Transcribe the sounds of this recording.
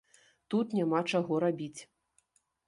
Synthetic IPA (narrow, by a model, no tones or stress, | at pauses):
t̪ut̪nʲamat͡ʂaɣɔɾabʲit͡sʲ